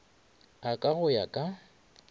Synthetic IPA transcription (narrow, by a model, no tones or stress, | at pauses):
akʼaɣʊjakʼa